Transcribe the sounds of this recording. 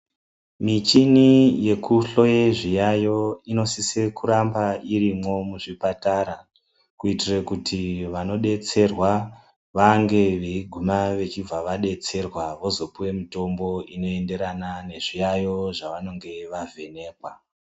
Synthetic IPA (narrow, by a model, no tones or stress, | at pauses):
mit͡ʃinije̞kuɬo̞jeʐijajo̞ino̞sisekuɾambaiɾimo̞muʐipataɾa | kuitirekutʰiʋano̞ɗe̞t͡se̞rwa | ʋaŋɡe̞ʋeiɡʱumaʋe̞t͡ʃib͡vaʋaɗe̞t͡se̞rwaʋo̞zo̞puwe̞mito̞mbo̞ino̞e̞nde̞ɾanane̞ʐijajo̞ʐaʋano̞ŋɡe̞ʋavʱe̞ne̞ːkwa